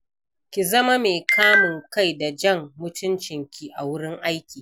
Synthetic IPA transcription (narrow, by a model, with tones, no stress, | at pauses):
kʲi˨zɐ˦ma˦meː˨kʰaː˦mʊ˨ŋka˦˨jda˨d͡ʒɐ˦˨ŋmʊ˦tʊ˦nt͡ʃɪ˨ŋkʲi˨ʔa˨wʊ˦ɽɪ˦ŋʔa˦jkʲiː˨